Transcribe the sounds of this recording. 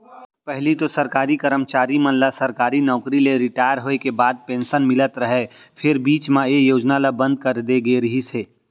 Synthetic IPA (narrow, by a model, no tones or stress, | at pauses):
pɛɦlit̪osɐɾkaːɾikəɾəmt͡ʃaːɾimɐ̃nlasɐɾkaːɾinɔːkɾileɾɪʈaːjəɾɦoːekebaːd̪̚pẽːnsənmɪlət̪ɾɐɦepʰɪɾbiːt͡ʃmãejoːd͡ʒnalabə̃nd̪̚kəɾd̪eɡeɾɐɦiseː